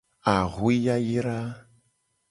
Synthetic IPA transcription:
a˨ɣwi˦ja˦ji˦ɾa˦

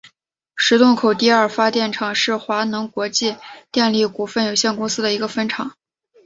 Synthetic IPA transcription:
ʂɻ̩˧˥t̪ʊ˥˩ŋkʰo˨˩ʊt̪i˥˧ɐ˞˥˩fa˥t̪jɛ˥˩nʈ͡ʂʰɑ˨˩ŋʂɻ̩˥˩xwa˧˥nɤ˧˥ŋkwɔ˧˥t͡ɕi˥˧t̪jɛ˥˧nli˥˩ku˨˩fə˥˩njo˨˩ʊɕjɛ˥˩nkʊ˥ŋsɹ̩˥d̪ə˨i˧˥ɡə˧fə˥nʈ͡ʂʰɑ˨˩˦ŋ

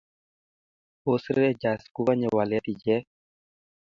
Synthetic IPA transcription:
o˦sɾɛ˦d͡ʒa˨sku˦ka˦ɲɛ˨wa˨lɛ˦t̪i˨d͡ʒɛ˦

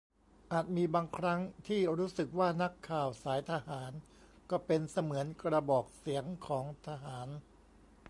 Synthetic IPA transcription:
ʔaː˨˩t̪̚miː˧baː˧ŋkʰɾa˦˥ŋt̪ʰiː˥˩ɾuː˦˥sɯ˨˩k̚waː˥˩na˦˥kʰːaː˨˩wsaː˩˦jt̪ʰa˧haː˩˦n | kɔː˥˩pe˧nsa˧mɯ˩˦ənkɾa˧bɔː˨˩k̚si˩˦əŋkʰɔː˩˦ŋt̪ʰa˧ɦaː˩˦n

